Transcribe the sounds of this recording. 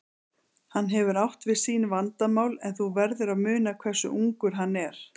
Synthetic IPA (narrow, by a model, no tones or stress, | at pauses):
hanːɦɛvʏɾawht̪vɪðsiːnvant̪amaːwlɛnθuvɛɾðʏɾaðmʏːnakʰvɛr̥sʏ̰ʔuŋkʏɾ̥ɦanːɛɾ̥